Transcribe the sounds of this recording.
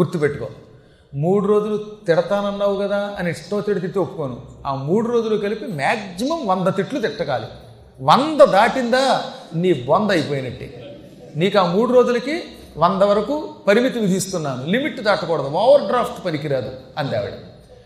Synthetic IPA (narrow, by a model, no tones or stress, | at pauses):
ɡuɾt̪ːupeʈːukoː | muːɽuɾo̞ːd͡ʒulut̪iɽɐt̪aːnɐnːaːʋukɐd̪aːɐniːʂʈːoːt̪iɽɐt̪̬iʈ̪ːopːukoːnṵaːmuːɽuɾo̞ːd͡ʒulukɐlipimaːɡsimɐmʋɐnd̪ɐt̪iʈlut̪̬iʈːɐka̰ːlḭ | ʋɐnd̪ɐd̪aːʈind̪aːniːbond̪ɐjpoːjinɐʈːḭ | niːkuaːmuːɽuɾoːd͡ʒulɐki | ʋɐnd̪ɐʋɐɾɐkuːpɐɾimit̪iʋid̪ʱist̪unːaːnulimiʈːd̪aːʈɐkɔːɽɐd̪uaːʋɐɾɖɾaːpʈpɐnikiɾaːd̪uɐnd̪ɛ̰ːʋɐ̰ɽḭ